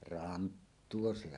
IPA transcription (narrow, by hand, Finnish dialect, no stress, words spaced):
rɑntːuo se